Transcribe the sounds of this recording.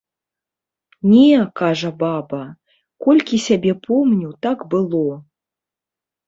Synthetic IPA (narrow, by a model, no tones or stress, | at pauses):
nʲɛkaʐɐbabɐ | kɔlʲkʲisʲabʲɛpʰɔmnʲut̪akbɨlˠɔ